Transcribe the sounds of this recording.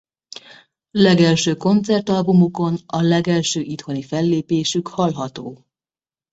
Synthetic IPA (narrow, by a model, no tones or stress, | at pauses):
lɛɡɛlʃøːko̞nt̪sɛrt̪ɒlbumuko̞nɒlɛɡɛlʃøːʔit̪ho̞nifɛlːeːpeːʃykhɒlɦɒt̪oː